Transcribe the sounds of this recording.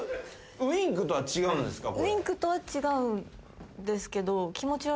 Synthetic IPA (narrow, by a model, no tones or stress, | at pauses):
ɯĩŋkɯ̟t̪o̞βat͡ɕiɡaɯ̟̃nd̪e̞sɨ̥kakĩŋkɯ̟t̪o̞βat͡ɕiɡaɯ̟̃ | d̪e̞sɨ̥ke̞d̪o̞kʲimo̞t͡ɕiβa